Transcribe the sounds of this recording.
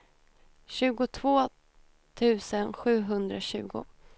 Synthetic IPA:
ɕʉ̟ːɡʊt̪ʰvoː | t̪ʰʉ̟ːsənɧʉ̟ːɦɵnd̪ɾaɕʉ̟ːɡʊ̰

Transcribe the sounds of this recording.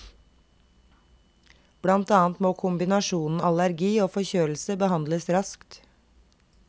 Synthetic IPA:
b̥lɑnt̪ɑːnt̪moːkʰʊmbɪnɑʃuːnn̩ɑlæɾɡiːoːfɔçøːl̩səbəhɑnd̪ləsɾɑskt̪

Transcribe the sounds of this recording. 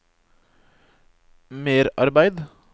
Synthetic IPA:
meːɾɑ̰ɾbæɪd̪

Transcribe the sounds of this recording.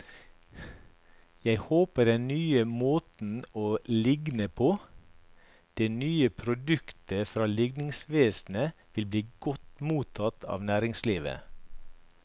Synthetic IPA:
jæɪhoːpədɛnnyːəmoːt̪n̩oːlɪɡnəpʰoː | d̪̥ɛnyːəpʰɾʊd̪ʉkt̪əfɾɑːlɪɡnɪŋsʋeːsn̩əʋɪlbliːɡɔt̪muːt̪ʰɑt̪ʰɑ̰ːʋnæːɾɪŋsliːʋə̰

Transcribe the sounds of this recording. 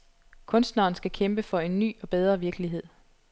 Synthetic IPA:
kʰɔ̽nsd̥nɐːn̩sɡ̥ækʰemb̥əfɒ̽e̝nːy̰ːɒ̽b̥eð̞ˠʁɐʋiɐɡ̥əliɦe̝ð̞̰ˠ

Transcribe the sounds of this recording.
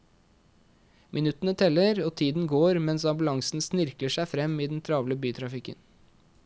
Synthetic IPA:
mʔɪnʉt̪ən̩ət̪ʰɛlːəɾoːt̪ʰiːd̪n̩ɡoːɾmɛnsɑmbʉlɑŋsn̩snɪɾkləʂæɪfɾɛmːiːd̪ɛn̩t̪ʰɾɑːʋləbyːt̪ʰɾɑfɪkən

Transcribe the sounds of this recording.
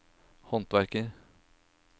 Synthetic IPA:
hɔnt̪ʋæɾkəɾ

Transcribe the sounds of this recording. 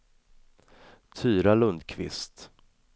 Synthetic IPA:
t̪ʰyːɾalɵnd̪kʰvɪ̰st̪

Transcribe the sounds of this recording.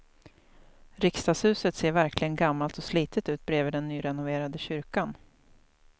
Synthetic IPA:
ɾɪkst̪ɑːshʉ̟ːsət̪seːɾvæɾkʰlɪɡənɡamːalt̪ɔsliːt̪ʰət̪ʉ̟ːt̪̚bɾeːvəɖɛnːyːɾɛnʊveːɾad̪əɕʏɾkan

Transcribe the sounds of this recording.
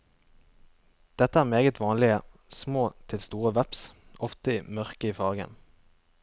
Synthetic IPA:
d̪̥ɛt̪əæːʁmeːɡət̪ʰʋɑːnlɪəsmoːt̪ʰɪlst̪uːʁəʋæpsʔɔft̪əiːmœʁkəiːfɑːɡə̰n

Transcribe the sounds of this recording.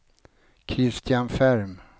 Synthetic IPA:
kʰɾɪst̪ʰɪjanfæɾm

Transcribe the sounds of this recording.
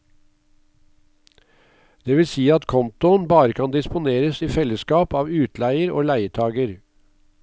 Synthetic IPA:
d̪̥eːʋɪlsiːɑt̪kʰɔnt̪ʊənbɑːɾəkʰɑnd̪ɪspʊneːɾəsiːfɛləskɑːpɑːʋʉːt̪læɪəɾo̰ːlæɪəʈʰɑːɡəɾ

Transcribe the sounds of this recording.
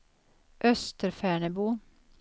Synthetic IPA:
ʔœst̪əɾfæːɳəbuː

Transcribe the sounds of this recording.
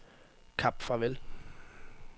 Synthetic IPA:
kʰɑb̥fʁɑ̈ʋel

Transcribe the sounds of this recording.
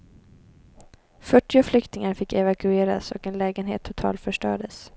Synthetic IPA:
fœʈːɪʊflʏkt̪ɪŋaɾfɪkːɛvakɵeːɾa̰sɔ̰kɛnlɛːɡənɦḛːt̪ʰːʊt̪ʰɑ̰ːlt̪fœʂʈœ̰ːɖəs

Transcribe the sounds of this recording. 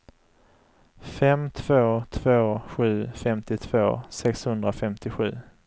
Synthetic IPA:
fɛmt̪ʰv̥oːt̪ʰv̥oːɧʉ̟ːfɛmt̪ɪt̪ʰv̥oːsɛkshɵnd̪ɾafɛmt̪ɪɧʉ̟ː

